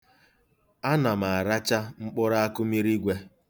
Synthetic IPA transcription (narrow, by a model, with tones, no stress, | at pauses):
a˦na˨ma˨a˨ɾa˦t͡ʃa˦ŋ͡m̩˦k͡pʊ˦ɾa˦a˦kʊ˦mi˦ɾi˦ɡʷe˦